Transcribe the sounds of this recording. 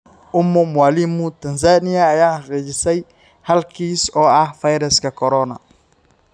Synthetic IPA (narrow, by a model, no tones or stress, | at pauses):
ʊmːʊmʊwaːlimʊt̪ʰɐns̬aːnɪjɐːjaːħɐqɛt͡ʃɪsɛj | hɐlkʰiːsɔːɐhfɐjɾɐskɐkʰɔɾɔːnɐ̰